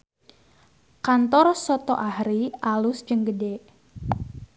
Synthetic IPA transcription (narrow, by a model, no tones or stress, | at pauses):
kant̪ɔrsɔt̪ɔ̰ʔahɾiʔalʊsd͡ʒəŋɡədeʔ